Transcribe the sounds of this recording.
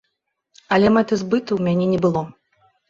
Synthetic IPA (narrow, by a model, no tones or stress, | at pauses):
ɐlʲɛmɛt̪ɨzbɨt̪ɨwmʲanʲɛnʲɛbɨlˠɔ